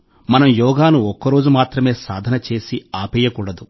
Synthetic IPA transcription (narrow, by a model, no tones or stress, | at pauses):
mɐnɐmjɔːɡaːnuɔkːɐɾo̞ːd͡ʒumaːt̪ɾɐme̞ːsa̰ːd̪ʱɐnɐt͡ʃe̞ːsiaːpɛːjɐkuːɽɐd̪u